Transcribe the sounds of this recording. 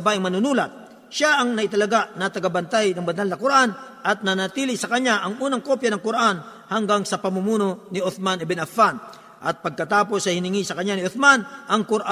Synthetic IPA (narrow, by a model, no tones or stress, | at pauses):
baʔɪŋmɐnʊnuːlat̪̚ | ʃaʔɐŋnɐʔɪt̪ɐlɐɡanɐt̪ɐɡabɐnt̪ajnɐŋbɐnalnɐkʊɾaʔanʔɐt̪̚nɐnat̪ilɪsɐkɐɲaʔɐŋʔuːnɐŋkopjanɐŋkʊɾʔanhɐŋɡaŋsɐpɐmumuːnonɪʔoθmanɛbɛnɐfan | ʔɐt̪̚pɐɡ̚kɐt̪aːpo̞sːɐhɪnɪŋisɐkɐɲanɪʔoθmanʔɐŋkʊɾʔa